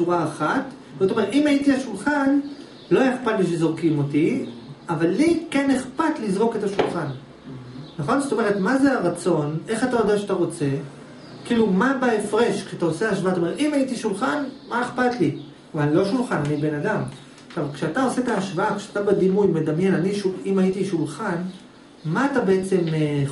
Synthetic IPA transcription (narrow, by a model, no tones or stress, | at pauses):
t͡suʁaːχat | zotome̞etimaitihaʃulχan | lo̞jeχpatliʃezoʁkimo̞tiavalːikene̞χpatlizʁo̞ketaʃulχan | naχo̞nzot̪o̞me̞ʁ̞et̪mazeaʁat͡so̞ne̞χatajodaʃeataʁo̞t͡se̞ | kiːlumabaefʁe̞ʃkʃeataoseaaʃvaat̪aom̞timaitiʃulχanmaeχpatli | vallo̞ʃulχananibe̞nadam | ʃavkʃeatao̞se̞etaaʃvaakʃeatabadimujme̞damje̞naniʃuimaitiʃulχan | maːtabe̞et͡se̞me